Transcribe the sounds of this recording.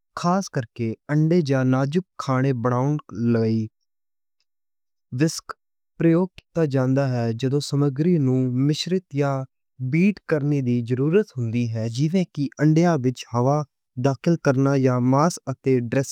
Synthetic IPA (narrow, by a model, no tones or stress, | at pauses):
kʰaːskəɾkeːəɳɖeːd͡ʒaːnaːd͡ʒʊkkʰːaːɽ̃eːbəɽ̃aːʊnləiː | ʋɪsk | pɾəjoːɡ̚t̪aːd͡ʒãːnd̪aːɦɛːd͡ʒəd̪õːsəməɡɾiːnũːmɪʃɾɪt̪jaː | biːʈkəɾneːd̪iːzəɾuːɾət̪ɦʊnd̪iːɦɛːd͡ʒɪʋẽːkɪʔəɳɖjaːʋɪt͡ʃhəʋaː | d̪aːkʰɪlkəɾnaːjaːmaːsət̪eːɖɾɛs